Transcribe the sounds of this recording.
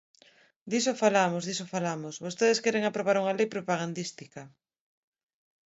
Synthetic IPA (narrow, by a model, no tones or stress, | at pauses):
d̪isofalamozðisofalamosβost̪eðeskeɾeŋapɾoβaɾuŋalejpɾopaɣ̞and̪ist̪ikɐ